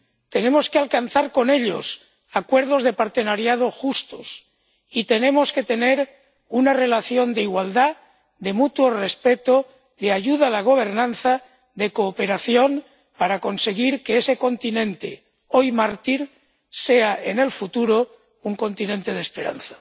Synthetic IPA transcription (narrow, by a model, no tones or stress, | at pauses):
t̪e̞ne̞mo̞skealkanθaɾko̞ne̞ʎo̰s | akwe̞ɾð̞o̞zð̞e̞paɾt̪e̞naɾjað̞o̞xust̪o̞s | it̪e̞nẽ̞mo̞ske̞t̪e̞ne̞ɾ | unare̞laθjo̞nd̪eiɣwald̪a | ðe̞mut̪wo̞re̞spe̞t̪o | ðeaʝuðaːlaɣ̞o̞β̞e̞ɾnãnθa | ðe̞ko̞ːpe̞ɾaθjo̞n | paɾako̞nse̞ɣiɾkeese̞ko̞nt̪inẽ̞nt̪e̞̰ | o̞jmaɾt̪iɾ | se̞aʔe̞ne̞lfut̪uɾo | uŋko̞nt̪inẽ̞nt̪e̞ð̞espe̞ɾa̰nθḁ